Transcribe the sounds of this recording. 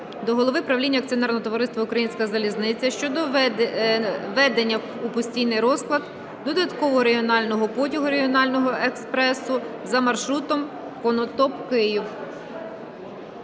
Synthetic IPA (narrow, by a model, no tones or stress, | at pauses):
d̪ɔɦɔlˠɔʋɪpɾɐwlʲinʲːɐk̚t͡sʲijɔnɛrnɔɦɔt̪ɔʋɔɾɪst̪ʋɐukɾɐjinʲsʲkɐzɐlʲiznɪt͡sʲːɐʃt͡ʃɔd̪ɔ | ʋɛd̪enʲːɐ | upɔsʲtʲijnɪjɾɔsklˠɐd̪ | d̪ɔd̪ɐt̪kɔʋɔɔɾeiɔnɑlʲnɔɦɔpɔtʲiɦʊɾeɦiɔnɑlʲnɔɦɔʔekspɾɛsʊ | zɐmɐrʃɾut̪ɔm | kɔnɔt̪ɔpkɪjʊw